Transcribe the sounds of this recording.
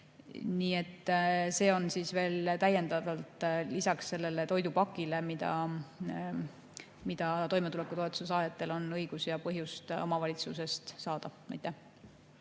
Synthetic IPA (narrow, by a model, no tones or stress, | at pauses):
niːe̞t̪ːse̞ːo̞nsiːsve̞ːlt̪æje̞nd̪̥ɑd̪̥ɑlt̪ˑlisɑksːe̞lːe̞le̞t̪o̞jd̪upɑkːˑile̞mid̪̥ɑ̰ | mid̪̥ɑt̪o̞jmet̪ule̞kːut̪o̞et̪u̥sesɑːjɑt̪ːˑe̞lo̞nɤjɡ̥usjɑpɤɦjust̪o̞mɑvɑlʲit̪suse̞st̪sɑːd̪̥ɑmɑ̰jt̪ːˑæh